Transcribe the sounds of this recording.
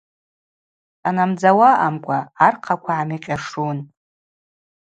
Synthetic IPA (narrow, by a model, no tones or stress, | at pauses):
anamd͡zawaʔamkʷʼaarqʰakʷʰaamiqʲʼaʂun